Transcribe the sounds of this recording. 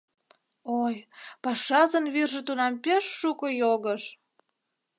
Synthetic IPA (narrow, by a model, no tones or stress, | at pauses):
ojpɑʃɑzə̆nβirʒĕt̪unɑmpeʃːukojoɣəʃ